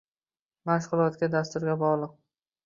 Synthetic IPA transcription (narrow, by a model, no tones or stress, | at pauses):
maʃqʊlˠɒt̪ɡʲad̪ast̪ʊɾɡʲabɒʁlˠɨq̚